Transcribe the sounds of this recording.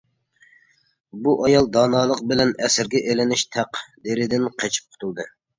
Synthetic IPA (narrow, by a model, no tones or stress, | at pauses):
buʔɑjɑlˠd̪ɑːnɑːlˠəqbɪlɛnɛsɪɾɡʲɛʔelɪnɪʃt̪ʰæqd̪eɾɪd̪ɪnqʰet͡ʃʰi̥p̚qʰʊ̥t̪ʰulˠd̪ɨ